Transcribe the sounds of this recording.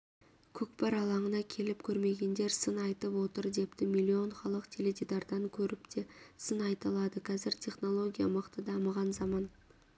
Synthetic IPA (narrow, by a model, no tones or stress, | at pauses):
kʲʰɵkpɑɾɑlˠɑɴənɑkʲʰe̞lɪpkʲʰɵɾme̞ɡʲe̞nd̪e̞ɾsənɑjt̪əpwo̞t̪əɾd̪e̞pt̪ɪmilʲːio̞ɴχɑlˠəqt̪ʲʰeled̪ʲed̪ɑɾd̪ɑŋkʲʰɵɾɪpd̪esənɑjt̪ɑlˠɑd̪əqʰɑzɪɾt̪ʲʰe̞χno̞lˠo̞ɡʲijaməqt̪əd̪ɑmɑʁɑnzɑmɑn